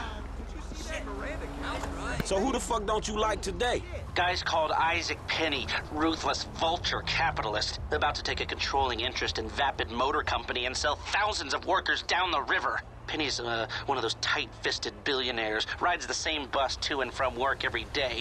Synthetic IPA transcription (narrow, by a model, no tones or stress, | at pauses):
soʊhuɾɨfʌk̚dõʊ̃nt͡ʃɨlaɪk̚tʰɨdeɪɡ̥aɪz̥kʰɔlˠda̰ɪzɨk̚pʰɛniɹuθləsvʌlˠt͡ʃə˞kʰæpəɾl̩ˠɪstəbaʊtʰɨtʰeɪkɨkʰn̩tʰɹ̥oʊlˠɪ̃ŋɪ̃nt͡ʃɹ̥ɨstɨ̃nvæpɨd̚moʊɾə˞kʰʌ̃mpɨniɨ̃nsɛlˠθaʊzɨ̃nzʌvwɜ˞kə˞zdãʊ̃nðəɹɪvə̰˞ | pʰɛñiɨzwʌ̃nʌvðoʊz̥tʰaɪtfɪstɨd̚bɪlˠjɨnɛɹzɹaɪdzðɨsẽɪ̃mbʌstʰɨɨ̃nfɹʌ̃mwɜ˞kɛvɹideɪ